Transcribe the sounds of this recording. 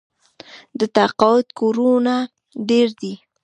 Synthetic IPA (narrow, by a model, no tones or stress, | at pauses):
d̪ət̪aqɑwʊt̪koɾuna | ɖeɾd̪i